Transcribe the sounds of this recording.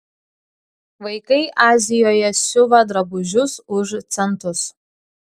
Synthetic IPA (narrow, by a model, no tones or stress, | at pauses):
ʋɐɪkɐɪʔɑːzʲɪjoːjɛsʲʊʋɐd̪ɾɐbʊʒʲʊsʊʒt̪sʲɛnˑt̪ʊs